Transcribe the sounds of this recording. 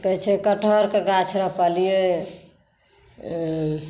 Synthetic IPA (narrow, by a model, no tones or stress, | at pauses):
kət͡ʃʰɛkəʈʰəɾkeɡat͡ʃʰɾəɦpalije